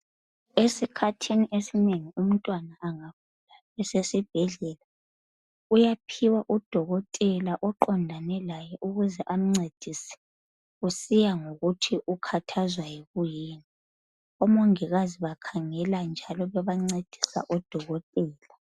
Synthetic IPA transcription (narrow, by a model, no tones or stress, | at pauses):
esikʰatʰiniʔesineŋium̩tʼwanaʔːŋakʰula | ɛsesib̥̚ʱɛɮɛla | ujapʰiwaʔud̥ʱɔɣɔtʼɛlaʔɔǃɔndʱanɛlajɛʔuɣuzɛʔam̩ŋ͡ǀed̥ʱisɛ̥ | usijaŋoɣutʰiʔukʰatʰazwajɛɣujiːni | ɔmɔŋiɣaziβakʰaŋɛland͡ʒʱalɔβɛβaŋ͡ǀed̥ʱi̥sa̰ʔɔd̥ʱɔɣɔtʼɛːla